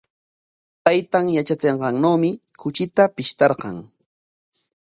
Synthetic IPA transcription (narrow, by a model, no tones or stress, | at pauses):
pajt̪amjat͡ʃat͡seɴɢɑŋnawmɪkʰʊt͡ʃɪt̪apɪʃt̪ɑɾqɑŋ